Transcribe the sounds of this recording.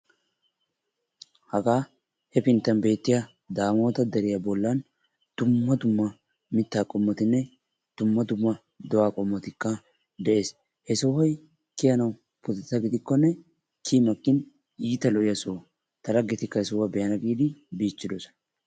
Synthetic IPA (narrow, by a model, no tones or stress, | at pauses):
hɐɡaː | hɛpɪnt̪ːɐnbe̞ːt̪ːɪjɐ | d̪aːmo̞ːt̪ɐd̪ɛɾɪjɐbɔlːɐn | d̪̥ʊmːɐd̪ʊmːɐ | mɪt̪ːaːkʼɔmːɔt̪ɪnːɛ | d̪̥ʊmːɐd̪ʊmːɐ | d̪ɔwaːkʼɔmːɔt̪ɪkːɐ | d̪ɛʔe̞ːs | hɛsɔwɐj | kɪjɐnɐw | pʊt̪ɪt̪ːɐɡɪd̪ɪkːɔnːɛ | kʰimɐkʼːɪn | iːt̪ɐlɔʔɪjɐsoː | t̪ɐlɐɡːɪt̪ɪkːɐhɛsɔwɐbɛjɐnɐɡiːd̪ɪbiːt͡ʃːɪd̪ɔsɔ̥nɐ